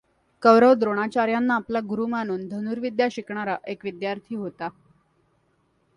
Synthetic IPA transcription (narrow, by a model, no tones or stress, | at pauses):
kəʋɾəʋd̪ɾoɽ̃at͡ɕaɾjanːaːplaɡuɾuːmañuːnd̪ʱənuːɾʋid̪jaɕikɳaɾaʔekʋid̪jaɾt̪ʰiːɦot̪a